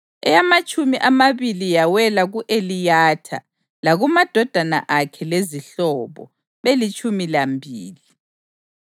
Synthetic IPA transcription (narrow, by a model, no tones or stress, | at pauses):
ɛjamat͡ʃʼumiʔamaβilijawɛlaɣuʔelijatʰa̰ | laɣumad̥ʱɔd̥ʱana̰ʔakʰɛleziɬɔβɔ̰ | βelit͡ʃʼumilambʱiːli